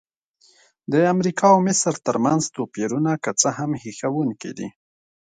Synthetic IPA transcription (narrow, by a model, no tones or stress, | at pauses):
d̪əamɾikɑwmɪsɾt̪əɾmanzt̪opeɾunakət͡səɦamhixawuŋkḭd̪ḭ